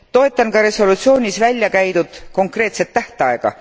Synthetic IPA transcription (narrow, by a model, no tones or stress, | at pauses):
t̪o̞e̞t̪ːˑɑnkɑɾe̞so̞lut̪sio̞ːnʲisvælʲːjɑkæjd̪ud̪̥ko̞ŋkre̞ːt̪se̞t̪ːæht̪eɑeɡ̥ɑ̰